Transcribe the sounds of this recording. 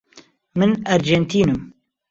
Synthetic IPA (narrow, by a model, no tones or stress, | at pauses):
mɨnaɾd͡ʒent̪ʰiːnɨm